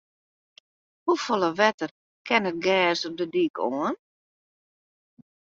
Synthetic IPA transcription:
hufolˠəʋɛtər | kʰɛnət̚ɡɛːsɔp̚dədikoən

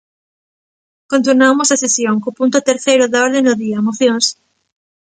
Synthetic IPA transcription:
kõnt̪unamosasesjoŋkopunt̪ʊt̪eɾθejɾʊðaɔɾðenoðiamoθjõŋs

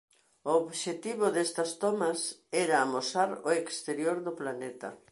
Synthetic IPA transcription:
ooβʃet̪iβʊðest̪ɐst̪omɐsɛɾaːmosaɾoekst̪eɾjoɾðʊplanet̪ɐ̰

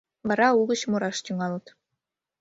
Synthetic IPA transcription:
ʋɑɾɑuɣə̆ɕmuɾɑʃt̪ʲyŋɑlˠɤ̆t̪

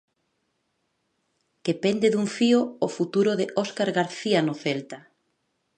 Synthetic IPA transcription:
kepend̪eðuŋfioːfut̪uɾoðeʔɔskaɾɣaɾθianoθelt̪a

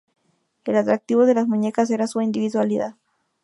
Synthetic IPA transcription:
elat̪ɾak̚t̪iβoðe̞lasmuɲekas̬eɾasuind̪iβiðwaliðað

